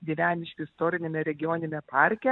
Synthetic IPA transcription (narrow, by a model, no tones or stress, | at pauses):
ɡʲiːʋʲæːnʲɪʃʲkʲɪɪst̪oːɾʲɪnʲemʲɛɾʲɛɡʲɪjoːnʲɪmʲɛpɑɾʲkʲɛ